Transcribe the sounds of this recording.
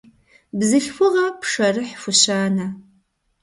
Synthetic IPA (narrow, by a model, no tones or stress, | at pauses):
bzɨɬfʊʁɐpʂɐrɨħfʊɕaːnɐ